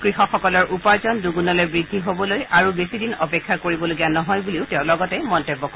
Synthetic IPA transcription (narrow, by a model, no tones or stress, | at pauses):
kɹixɔxɔkɔlɔɹʔupaɹzɔnduɡunɔlojbɹidʱːiɦobɔlojaɹubesidinɔpɛkʰːakoɹibɔloɡianɔɦɔjbuliʊtɛʊ̃lɔɡɔtɛmɔntebːɔkɔ